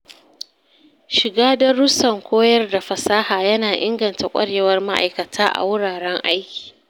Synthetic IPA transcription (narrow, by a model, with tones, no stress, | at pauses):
ʃɪ˨ɡaː˦dɐ˦ɾʊ˦sɐ˨ŋkʷoː˦jɐ˦rda˨ɸɐ˨saː˦haː˨jɐ˦naː˨ʔɪ˦ŋɡɐ˨nta˨kʷʼɐ̰˦ɽjɛ˦wɐ˦rma˦ʔa̰˨jkɐ˨tʰaː˦ʔa̰˨wʊ˦ɽaː˨ɽɛ˦ŋʔa˦jkʲi̥ː˨